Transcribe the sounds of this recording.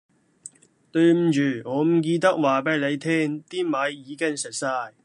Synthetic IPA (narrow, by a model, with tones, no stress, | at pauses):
t̪ɵ˧ɥm̩˨t͡ʃyː˨˩ŋɔː˨˧m̩˨˩k̬iː˧t̪̬ɐ˥k̚waː˨˩pɐ˥˩le˨˧jt̪ʰɛː˥ŋt̪iː˥mɐ˨˧˥jːiː˨˧kɪ˥ŋsɪ˨k̚saː˧j